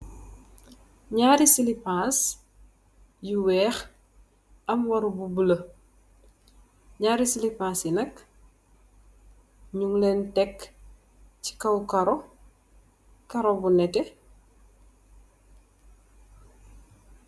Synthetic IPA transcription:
ɲaːɾisilipaːs | juwɛːx | ɐmwɐɾububulɐ | ɲaːɾisilipaːsjinɐk | ɲuŋlɛntɛk | ci̥kɐwkɐɾɔ | kɐɾɔbunɛtɛ

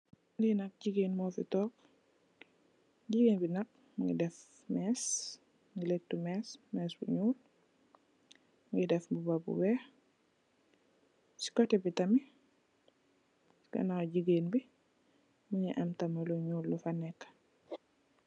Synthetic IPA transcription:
ndinɐk̚ɟiɡeːnmɔːfitɔːk̚ | ɟiɡeːnbinɐk̚ | ɡḭdɛf | mɛːs | ŋɡilek̚tːumɛːsmɛːsbṵɲuːl | ŋɡidɛfbubabṵwɛː | si̥kɔtɛbitɐmi | si̥kɐ̰naɟiɡeːnbi | miɲaʔɐmtɐmɐluɲuːlːufanɛkːḁ

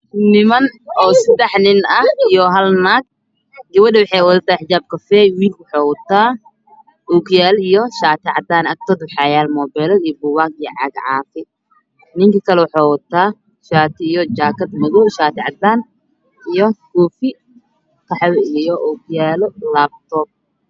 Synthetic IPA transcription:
nɪmɐnɔːsɐd̪ɐħnɪnɐijɔɦɐlnaːɡ̚ | ɡɐβɐɗɛwɑħɑjwɐðɐt̪aːħɪd͡ʒaːb̚kʰɐfɛːwiːlkwɑħɔwɐt̪ːaː | ʔuːkʰjaːlijɔʃaːt̪ɪʕɑ̰d̪aːnɐk̚t̪ʰɐd̪ʊħajaːlmɔbɛlɔijɔbʊwaːkiʕɑ̰ɡʕa̰ːfɪ | nɪŋkikʰɐlɛwɑħaːwɐt̪ʰːaː | ʃaːt̪ɪijɔt͡ʃaːkʰɐd̪mɐɣɔʃaːt̪ɪʕɑd̪aːn | ijɔkɔːfɪ | k̪ʰɐħwjɔʔuːkʰʊjaːlɔlaːb̚t̪ʰɔːb̚

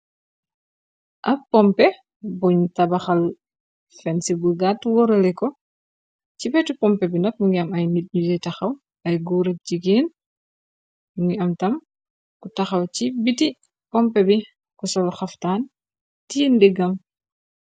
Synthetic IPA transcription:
ʔɐpːɔmpɛ | buɲtɐbɐxal | fɛnsibulɡatwɔɾɐlɛkɔ | cibɛtupɔmpɛbinɐk̚muŋɡiɐmɐjnit̚ɲujɛjtɐxɐw | ɐjɡuːɾɐt̚d͡ʒiɡeːn | muŋɡiɐmtɐm | kutaxɐwt͡ʃibiti | pɔmpɛbi | kusɔlxɐftaːn | tijndiɡɐm

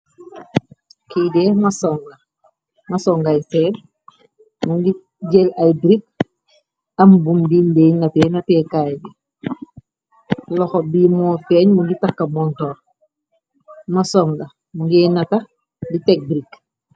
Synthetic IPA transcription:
kidemasɔŋɡa | masɔŋɡajfɛːn | muŋɡi | ɟelajbɾik̚ | ambumdindenatɛnatɛkajbi | lɔxobimɔːfɛːɲmuŋɡitakːabɔntɔːɾ | masɔŋɡa | muŋɡɛnata | ditek̚bɾik

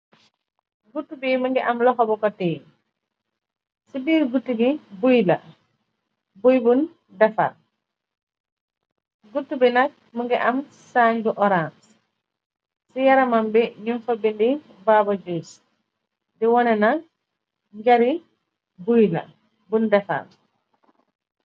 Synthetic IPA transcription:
ɡutːubiməŋɡɛʔɐmlɔxɔbɔkɔtɛːj | sibiːɾɡutːuɡibujlɐ̰ | bujbun | dɛfa̰l | ɡutːubɛnɐk̚məŋɡɛʔɐm | saːɲbuʔɔɾãns | sijɐɾɐmɐmbɛɲunfɐbindi | baːbɐɟuːs | diwɔnɛnɐ | ɲɡɐɾi | bujlɐ̰ | bundɛfa̰l

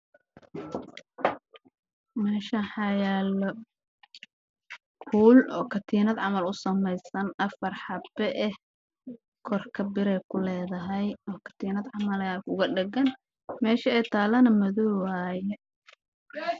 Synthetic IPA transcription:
mɛːʃaħɑjaːlɔ | kʰuːlɔ̰ːkʰɐt̪ʰiːnɐd̪ʕɑmɐlʊsɐmɛjsɐnʔɐfɐrħɑbɛʔɛh | kʰɔrkʰɐbɪɾɛjkʰʊlɛːðɐɦɛjɔːkʰɐ̥t̪ʰiːnɐd̪ʕɑmɐlɐjaːlkʊɣɐɖɛɣɐn | mɛːʃɐɛjt̪ʰaːlɐnɐmɐðɔːwaːjɛ

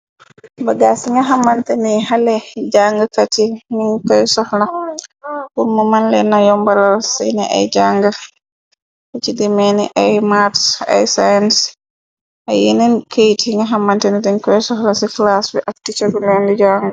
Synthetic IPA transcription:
baɡasiŋɡaɦamːantɛnihalɛd͡ʒaŋɡakatiniŋkɔjsɔhla | kunmumanlɛnajɔmbalalsɛ̰nɛ̰ʔa̰jd͡ʒaŋɡa | kat͡ʃidimɛnḭʔajmasa̰jsajans | ʔajeninkejtiŋɡaɦamːantɛnidɛnkɔjsɔhlasiklasbɛʔak̚tit͡ʃaɡulɔndid͡ʒaŋɡa

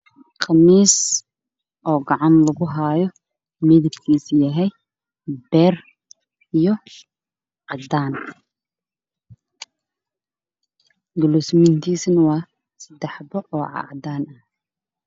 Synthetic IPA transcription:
qʰɑmiːs | ʔɔːɡɑʕɑnlɐɣʊɦaːjɔ | mɪðɐbkʰiːsjɐɦɛj | bɛːr | ijɔ | ʕɑd̪aːn | ɡʊlusmɪnt̪ʰiːsnɐwɑː | sɐd̪ɛħbɔɔːʕɑ̰ʕd̪aːnɐh

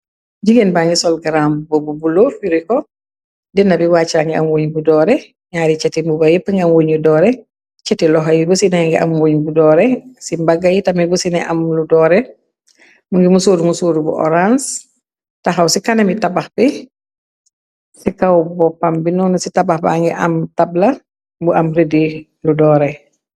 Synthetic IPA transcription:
d͡ʒiɡenbaŋɡisɔlɡɐɾambobubulofiɾikɔ | dɛnɐbiwaːt͡ʃaŋɡiɐ̰mwoɲbudɔːɾɛ | ɲaːɾit͡ʃɛtimbubɐjɛpəŋɡiɐmwoɲudɔːɾɛ | t͡ʃɛtilɔɦɐjibusinɛŋɡḭʔɐ̰mwoːɲbudɔːɾɛsimbaɡɐjitɐmibusinɛʔɐ̰mludɔːɾɛ | muŋɡimusuːɾumusuːɾubṵʔɔ̰ɾans | tɐxɐwsikanɛmitɐbɐxbɛ | sikɐwbɔpɐmbinɔnusitɐbɐxba̰ŋɡɛʔɐmtɐblɐ | mbuʔɐmɾedi | ludɔːɾɛ

